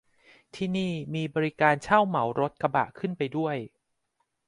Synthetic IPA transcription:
t̪ʰiː˥˩niː˥˩miː˧bɔː˧ɾi˦˥kaː˧nt͡ɕʰa˥˩wma˩˦wɾo˦˥t̪̚ka˧ba̰˨˩ʔkʰɯ˥˩npa˧jdu˥˩əj

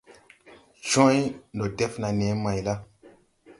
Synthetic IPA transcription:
ʒɔ̃˦jndo˨dɛ˦fna˨nɛ˨˦mã˨jla˦

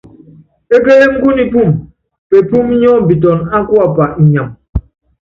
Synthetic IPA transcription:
e˦ke˦je˦ŋ̩˦ku˦ni˨pu˦˨m | pe˨pu˦m˦ɲɔ˦˨bi˨t̬ɔ˨na˦kwa˦˨pa˨ʔi˨ɲa˨m

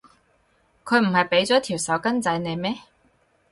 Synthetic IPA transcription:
kʰɵ˨˧ɥm̩˨˩hɐ˨jpe˨˥jt͡sɔː˨˥t̪ʰi˨˩wsɐ˨˥wkɐ˥nt͡sɐ˨˧˥jne˨˧jmɛː˥

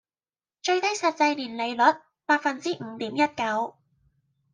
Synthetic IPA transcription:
t͡ʃɵ˧ɥt̪ɐ˥jsɐ˨t̚t͡sɐ˧jliː˨˩nle˨˧jlɵ˨˥t̚ | paː˧t̚fɐ˨nt͡siː˥ʔŋ̩˨˧t̪iː˨˥mjɐ˥t̚kɐ˨˥w

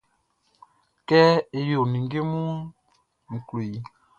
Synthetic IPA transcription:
kɛ˦e˨jo˨ni˨ŋɡe˦mu˦ | ŋ̩˨kle˨

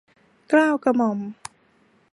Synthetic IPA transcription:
klaː˥˩wka˧mɔ˨˩˦m

